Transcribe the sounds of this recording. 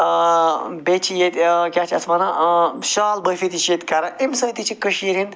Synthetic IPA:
bet͡ʃʰijet̪kʲaːt͡ʃʰiɐsmɐnaʃaːlbəfit̪it͡ʃet̪kaɾɐʔimsɐ̃nt̪it͡ʃʰikəʃiɾin

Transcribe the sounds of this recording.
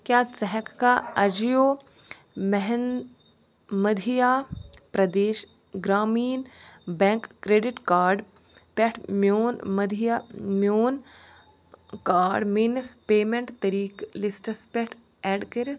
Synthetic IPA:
kjaːsɛɦɛkːaːɐd͡ʒjoː | mɛɦɛn | mɐd̪ʱijaːpɾɐd̪eːʃ | ɡɾaːmiːnbɛ̃ŋkːɾeːɖɪʈkaːɾɖ | pɛʈʰmjoːnmɐd̪ʱijamjoːn | kaːɾɖmeːnspeːmẽɳʈt̪ɐɾiːklisʈəspeʈʰ | ɛːɖkɐɾ

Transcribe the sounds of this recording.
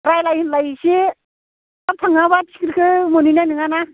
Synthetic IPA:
ɾajlajhinlajsi | ap̚t̪ʰaŋabai̥kɾkʰɯmɔninanɯŋana

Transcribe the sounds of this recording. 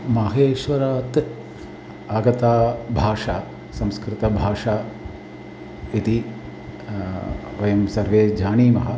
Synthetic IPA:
mɐɦeːʃʋɐɾaːt̪ | aːɡɐt̪aːbʱaːʂaː | sɐ̃mskɾɪt̪ɐbʱaːʂaː | it̪i | ʋɐjɐmsɐɾʋeːd͡ʒaːniːmɐɦɐ

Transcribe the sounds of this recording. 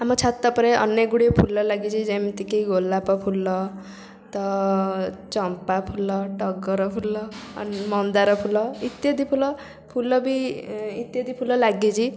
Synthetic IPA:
amɔt͡ʃʰat̪ːɔpɔɾeʔɔ̰njeɡuɽepʰulːɔlaɡit͡ʃʰid͡ʒamt̪ikejɡolapɔpʰulɔ | t̪ɔ | t͡ʃɔmpapʰulɔʈɔɡɔɾɔpʰulɔmɔnd̪aɾɔpʰulɔit̪jɔd̪ipʰulɔ | pʰulɔbiit̪jɔd̪ipʰulɔlaɡid͡ʒʰi

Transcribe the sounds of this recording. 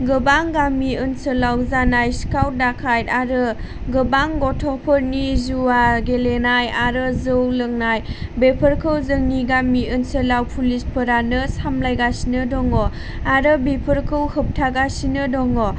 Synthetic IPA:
ɡɯbaŋɡamiənsəlawzanajskawt̚dakʰajaɾɯ | ɡəbaŋɡɔtʰɔpʰɯɾnizuwaɡelenajaɾɯzɯwlɯŋnajbepʰəɾkʰɯwzɯŋniɡamiɯnsəlawpʰulispʰəɾanɯsamlajɡasinɯdɔŋɔ | aɾɯbepʰəɾkʰɯwhəp̚tʰaɡasinɯdɔŋɔ

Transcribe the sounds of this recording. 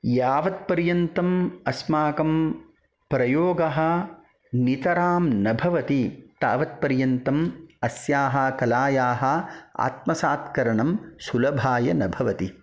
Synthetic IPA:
jaːʋɐt̪̚pɐɾjɐnt̪ɐmɐsmaːkɐm | pɾɐjoːɡɐɦɐ̆ | nit̪ɐɾaːmnɐbʱɐʋɐt̪it̪aːʋɐt̪̚pɐɾjɐnt̪ɐmɐsjaːɦɐ̆kɐlaːjaːɦɐ̆a̰ːt̪̚mɐsaːt̪kɐɾɐɳɐmsulɐbʱaːjɐnɐbʱɐʋɐt̪i

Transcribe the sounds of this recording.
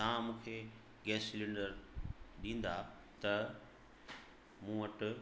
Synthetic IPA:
t̪aãmũːkʰeː | ɡɛːsɪlɪ̃ɳɖəɾɗĩːn̆d̪a | t̪ɐ | mũːʋɐʈʊ

